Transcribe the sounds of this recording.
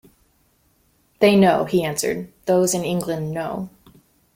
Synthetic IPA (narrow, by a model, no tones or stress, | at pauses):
ðeɪnoʊiæ̃nsə̰˞d̪̚ðoʊzɨ̃nɪ̃ŋɡlɨ̃nːoʊ